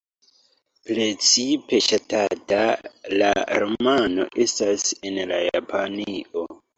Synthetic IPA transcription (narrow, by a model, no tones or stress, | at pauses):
pɾe̞t͡sipe̞ʃatatala̰ɾomano̞̰ʔe̞stase̞nlajapʰanio̞